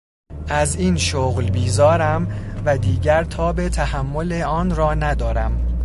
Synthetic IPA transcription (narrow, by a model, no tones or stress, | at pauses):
ʔæziːnʃoɣlbiːzɒːɾæmvæd̪iːɟæɾt̪ʰɒːbe̞t̪ʰæhæmːo̞leɒːnrɒːnæd̪ɒːɾæm